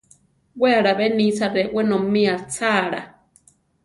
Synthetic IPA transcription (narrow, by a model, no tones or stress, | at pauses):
weaɾaβenĩt͡saɾewenomĩat͡saːɾa